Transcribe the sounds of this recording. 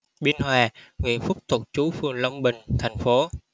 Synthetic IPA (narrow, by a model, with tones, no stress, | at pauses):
ɓi˧ənhwaː˨˩ŋwḭ˧˨ənfʊ˦˥k͡p̚t̪ʰu˨˩k̚t͡ɕu˨˦fɨ˨˧˩əŋlə˧wŋ͡mɓï˨˩ŋ̟t̪ʰa˨˩jŋ̟fo˨˦